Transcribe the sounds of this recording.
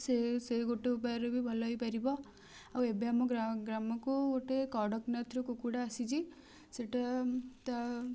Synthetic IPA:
seseɡoʈeup̬aɾebʱibʱɔlɔjpɐɾibɔ | awebjamɔɡɾaɡɾamɔkuɡoʈekɔɽɔknɐt̪ɾɔkukuɽaːsid͡ʒi | seʈat̪a

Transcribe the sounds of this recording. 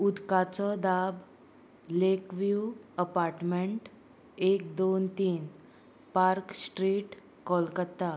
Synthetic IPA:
ud̪kat͡sɔd̪ab | lekʋjuəpaɾʈmeɳʈ | ek̚d̪ont̪iːn | paɾksʈɾiːʈ | kɔlkət̪ːa

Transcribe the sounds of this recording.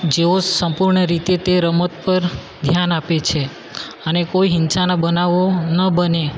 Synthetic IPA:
d͡ʒeosə̃mpuɾɳəɾit̪et̪eɾəmət̪pəɾ | d̪ʱjanapet͡ʃʰe | ənekoiɦɪnsanabənaʋonəbəne

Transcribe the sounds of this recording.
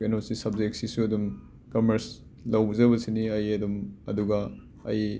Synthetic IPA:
enosisɐb̚zek̚sisuɐdum | kɐmɐɾs | lɐwzɐβɐsiniɐjɐdumɐ̰duɡɐ | ɐ̰j

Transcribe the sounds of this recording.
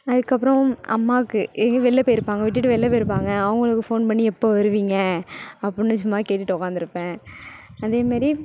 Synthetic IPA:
ɐðɯkːɐpːɾɐ̃ʔɐ̰mːaːkːɯʔɛŋɡɐʋɛɭːɐpeːjɪɾɯpːaːŋɡɐʋɪʈːɪʈ̬ːɯʋɛɭːɐpeːɪɾɯp̬ːaːŋɡɐːʋɐŋɡɐɭɯkːɯfoːnpɐɳːiɛpːoʋɐɾɯʋiːŋɡɐɐpːɯnːɯsʊmːaːkeːʈːɪʈːɯʊkːaːnd̪ɪɾɯpːẽː | ɐðeːmaːd̪ɾi

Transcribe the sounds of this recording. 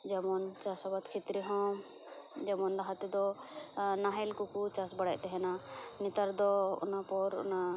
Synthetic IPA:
d͡ʒamɔnt͡ʃasɔbat̪kʰit̪ɾiɦɔ̃m | d͡ʒamɔnɾaɦat̪ɛd̪ɔ | naɦɛlkukut͡ʃasbaɽaʔt̪ɛɦɛnanit̪aɾd̪ɔṵnapɔɾṵna

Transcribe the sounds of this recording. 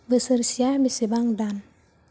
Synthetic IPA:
bəsəɾsiabisibaŋdan

